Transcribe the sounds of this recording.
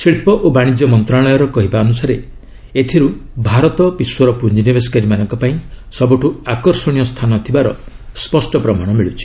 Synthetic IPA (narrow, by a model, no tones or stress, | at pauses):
siɭpɔʔobaɽ̃id͡ʒɔmɔnt̪ɾaɭɔjɔɾɔkɔɦibaɔnusaɾe | et̪ʰiɾubʱaɾɔt̪ɔpiswɔɾɔpuɲd͡ʒinibeskaɾimanɔŋkɔpaĩsɔbɔʈʰuakɔɾsɔɽ̃ijɔst̪ʰanɔt̪ʰibaɾɔ̰ | spɔsʈɔpɾɔmaɽ̃ɔmiɭut͡ʃʰi̥